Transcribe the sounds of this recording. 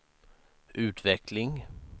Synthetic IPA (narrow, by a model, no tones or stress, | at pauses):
ʔʉ̟ːt̪vɛklɪŋ